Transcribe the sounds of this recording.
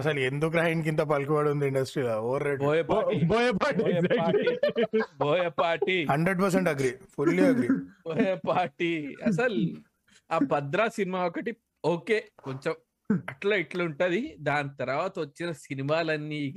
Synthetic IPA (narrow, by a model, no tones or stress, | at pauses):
ɐsɐlend̪ukɾaːjink̬int̪̬ɐpɐlkuʋaːɽund̪iiɳɖɐsʈɾiːlaoːɾeːboːjɐpaɾiboːjpaːʈijɐaːʈiboːjɐpaːɾʈihɐɳɖɾeɖpɐɾs̬eɳʈɐɡɾipʰulːiɐɡɾiboːjepaːɾʈiɐ̰sɐl | aːpɐd̪ɾaːsinimaːɔkɐʈi | oːke̞ːkoɲt͡ʃem | ɐʈlɐiʈlouɳʈɐd̪id̪aːnit̪ɐɾʋaːt̪ɐʋɐt͡ʃːinɐsinimaːlɐnːiː